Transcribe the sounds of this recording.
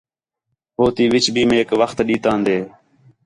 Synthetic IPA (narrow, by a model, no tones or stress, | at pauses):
hoːt̪iːʋɪt͡ʃbʱiːmeːkʋəxt̪ɗiːt̪ãːnd̪eː